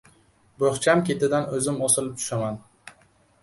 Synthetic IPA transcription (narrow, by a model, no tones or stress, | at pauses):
boχt͡ʃʰamkʲe̞t̪ad̪anɵzɪmosɪlɪp̚t͡ʃ̪ʰʊ̥ʃaman